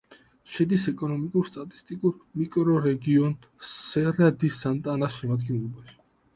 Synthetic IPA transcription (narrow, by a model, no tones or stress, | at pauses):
ʃɛd̪isɛkʼɔnɔmikʼuɾst̪ʼat̪ʼi̥st̪ʼikʼuɾmikʼɾɔɾɛɡiɔn | ssɛɾad̪isant̪ʼanasʃɛmad̪ɡɛnlˠɔbaʃi̥